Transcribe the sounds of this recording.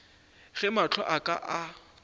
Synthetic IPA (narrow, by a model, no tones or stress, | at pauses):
ɣɛmat͡ɬʰɔʔakʼa̰ʔa